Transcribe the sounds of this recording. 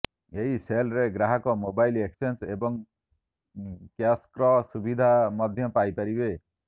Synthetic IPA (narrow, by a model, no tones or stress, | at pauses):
eɦiselɾeɡɾaɦakɔmobajleksensebɔŋ | kjaskɾɔsubid̪ʱamʌd̪ʱjɔpajpaɾibe